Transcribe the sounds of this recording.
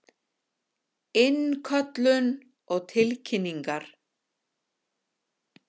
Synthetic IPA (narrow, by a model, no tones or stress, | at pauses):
ɪnkʰœt̪lʏn | ɔɣt̪ʰɪlcʰɪnːiŋkaɾ̥